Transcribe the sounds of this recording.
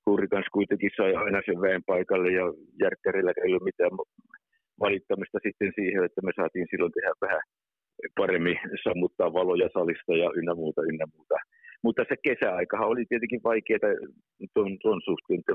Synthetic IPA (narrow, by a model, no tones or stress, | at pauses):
huːrikɑnskuit̪eŋkissɑiɑinɑseʋʋæˑempɑikɑlːejjɑjærk̪ːærelːækæeˑilːummit̪æːʋ | ʋɑlit̪ːɑmist̪ɑsit̪ːensiːheet̪ːæmesɑ̰ːt̪iːnsilːont̪ehæʋʋæhæ | pɑremːisɑmːut̪ːɑːʋʋɑlojɑsɑlist̪ɑjɑʔynːæmuːt̪ɑynːæmuːt̪ɑ | mut̪ːɑsekesæɑikɑhɑolit̪iet̪eŋkiʋʋɑikeːt̪ɑ | t̪ont̪onsuht̪ˑeːnt̪ːe